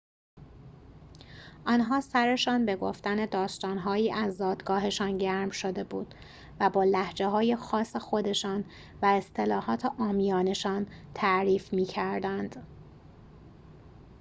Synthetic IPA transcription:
ʔɒːnɦɒːsæɾe̞ʃɒːnbe̞ɡoft̪æne̞d̪ɒːst̪ɒːnɦɒːiːʔæzːɒːd̪ɡɒːɦe̞ʃɒːnɟæɾmʃo̞d̪e̞bṵːd̪̥ | væbɒːlæhd͡ʒeɦɒːje̞xɒːsexo̞d̪e̞ʃɒːn | væe̞st̪ʰe̞lɒːhɒːt̪ʰeʔɒːmijɒːne̞ʃɒːnt̪ʰæʔɾiːfmiːcʰæɾd̪ænd̪̥

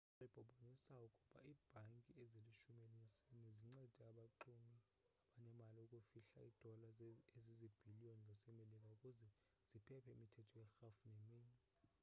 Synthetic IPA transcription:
alib̥ʱɔɓʱɔnisawɔkʼuɓ̥ʼa̰iːb̥ʱaŋkʼiɛzeliʃumelisiniziŋ͡ǀɛd̥ʱiaɓaǃumi | aɓaɲɛmaliukʼufiɬa̰id̥ʱɔlaezizib̥ʱiliɔnnasɛmelik̬ʼaukʼuzɛ | z̥ipʰɛpʰɛimitʰɛtʰɔjɛxafnemiːni

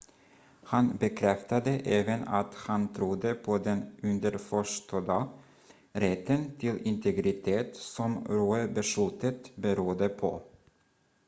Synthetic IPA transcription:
hanbɛkʰɾɛft̪ad̪əʔɛːvəna̰t̪hant̪ʰɾʊd̪ːəpʰɔd̪ɛnɵnd̪əɾfœʂt̪ɔd̪a | ɾɛt̪ːənt̪ʰɪlɪnt̪ʰɛɡɾɪt̪ʰeːt̪sɔmɾuːəbəʂʉːt̪ət̪bəɾuːd̪əpʰɔ̰

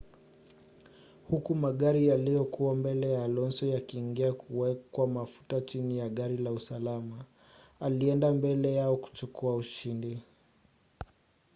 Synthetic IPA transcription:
hukumaɠaɾijalijɔkuwambɛlɛjaːlɔnsɔjakiːŋɡiakʰuwɛkwamafu̥tat͡ʃinijaɠaɾilausalama | aliɛndambɛlɛjaɔku̥t͡ʃukʰuauʃindi

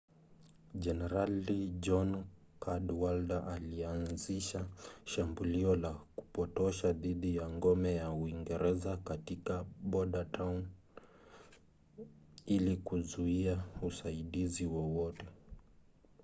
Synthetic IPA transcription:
d͡ʒɛnɛɾalid͡ʒɔn | kʰadwaldaʔalianziʃaʃambuliɔlaku̥pɔtɔʃaðiɗijaŋɡɔmɛjauiŋɡɛɾɛzakatikaɓɔɗatʰan | ilikuzuiausaiɗiziwɔwɔtɛ

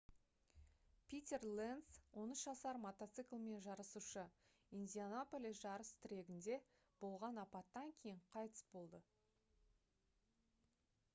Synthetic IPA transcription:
pʰʲit̪ʲe̞rlenswo̞nəsʒɑsɑɾmot̪ot̪sɨklˠme̞nʒɑɾəsuʃə | ind̪ʲianopolʲisʒɑɾəst̪ʰɪɾe̞ɡʲɪnd̪e̞ | b̥o̞lˠʁɑnɑpɑt̪ːɑŋkʲʰe̞jɪɴqʰɑjt̪ə̥sbo̞lˠd̪ə

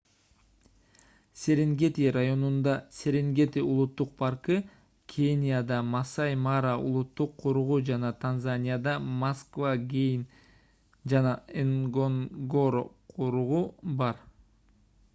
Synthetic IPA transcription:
sʲe̞ɾeŋɡʲe̞t̪irajo̞nund̪ɑsʲe̞ɾeŋɡe̞t̪iulˠut̪ːuq̚pʰɑɾkɯ | kʲʰenʲijad̪ɑmɑsɑjmaɾaṵlˠut̪ːuqʰːuɾuʁud͡ʒɑnɑt̪ʰanzanʲijad̪ɑmaskvaɡʲejn | d͡ʒɑnɑeŋɡoŋɡoɾqʰuɾuʁubɑɾ

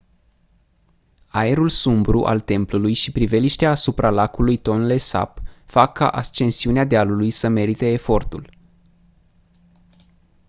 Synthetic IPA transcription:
ae̞ɾulsumbɾuʔa̰lt̪e̞mplulujʃipɾive̞liʃt̪eaːsupɾalakulujt̪o̞nle̞sa̰pfakʰːa̰ʔast͡ʃe̞nsiunead̪ealulujsəme̞ɾit̪e̞ːfo̞rt̪ul

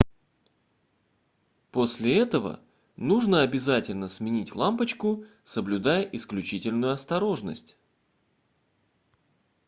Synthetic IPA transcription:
po̞sʲlʲɪɛt̪əvə̰ | nuʐnəɐbʲɪzatʲɪlʲnəsmʲɪnʲitʲlˠampət͡ɕkʊ | səblʲʊd̪ajəʔɪsklʲʉt͡ɕitʲɪlʲnʊjʊɐst̪ɐɾo̞ʐnə̰sʲtʲ

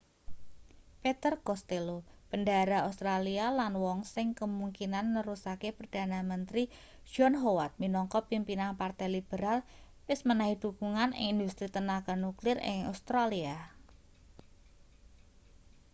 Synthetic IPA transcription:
pet̪ərkɔst̪elopəndaɾaost̪ɾalialanwɔŋsɪŋkəmuŋkinanːəɾusakepərd̥a̤namənt̪ɾi̥ | ʒ̥ɔnɦowat̪̚minɔŋkɔpimpinaŋpart̪ajlib̥əɾal | wɪsmənaɦid̥ukuŋanɪ̰ŋind̪ust̪ɾit̪ənaɡ̥a̤nuklɪrɪ̰ŋa̰st̪ɾalia

